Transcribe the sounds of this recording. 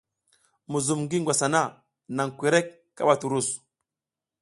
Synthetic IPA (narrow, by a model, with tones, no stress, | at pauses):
mu˨zu˨mɡi˦ŋɡʷa˨sa˨na˦˨ | na˨ŋkʷe˨ɾe˦kːa̰˦ɓa˨tu˨ɾu˦˨s